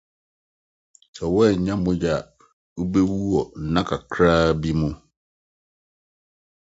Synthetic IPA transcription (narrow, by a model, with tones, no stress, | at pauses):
sɛ˨wɔ˦ɛ˨ɲ̩˨ɲã˦mʊ̃˦d͡ʑa˨ | u˦be˦wu˦wɔ˨n̩˨˦nã˦kʰa˨kʰɾaː˦bi˦mũ˦